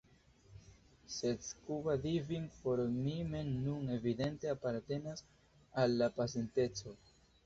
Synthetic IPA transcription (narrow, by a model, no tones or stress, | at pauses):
seskuvadiviŋpo̞ɾmime̞nːune̞vid̪e̞nteapaɾte̞nas | alːapasente̞t͡so̞